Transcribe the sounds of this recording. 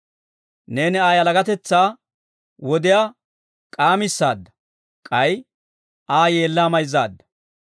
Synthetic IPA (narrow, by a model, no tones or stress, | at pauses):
ne̞ːnɛaːjɐlɐɡɐt̪ɛt͡sːaː | wɔd̪ɪja | kʼaːmɪsːa̰ːd̪ːɐ̥ | kʼɐj | ʔaːje̞ːlːaːmɐjzːaːd̪ːɐ̥